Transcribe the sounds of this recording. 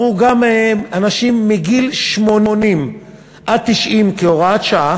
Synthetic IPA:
uɡameanaʃimːiɡilʃmo̞nonim | ʔad̚t̪iʃʔimkeoʁaat̪ʃaa

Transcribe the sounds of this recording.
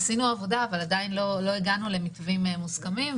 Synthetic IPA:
sinuavo̞daːvaladainlo̞lo̞iɡanule̞mitvimmuskamim

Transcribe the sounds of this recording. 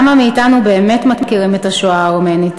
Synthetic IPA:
mamiitanube̞ːme̞tmakkiʁimetaʃoaʁomenit

